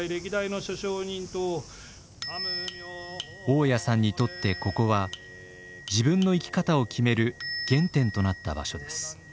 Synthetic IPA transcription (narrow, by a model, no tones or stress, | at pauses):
iɾe̞kʲid̪ainoɕoɕoːɲĩnt̪o | o̞ːjasãɲ̟ːit̪o̞t̪ːe̞ko̞ko̞βa | d͡ʑibɯ̟̃nːo̞ikʲi̥kat̪ao̞kʲʰime̞ɾɯ̟ɡ̥ẽ̞nt̪ẽ̞nt̪o̞nat̪ːa̰ba̰ɕo̞d̪e̞sɨ̥